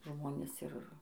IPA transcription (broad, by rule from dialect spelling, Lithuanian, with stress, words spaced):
ˈʒmoːnʲeːs ˈɪr